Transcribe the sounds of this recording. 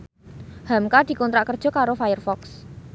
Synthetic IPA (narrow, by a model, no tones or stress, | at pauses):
hamkad̪̥i̤kɔnt̪ɾaʔkərd̥ʒ̥ɔ̤kaɾofajərfɔks